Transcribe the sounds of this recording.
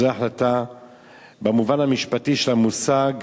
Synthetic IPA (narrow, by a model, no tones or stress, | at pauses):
eaħlata | bemuvanhamiʃpatiʃelamusaɡ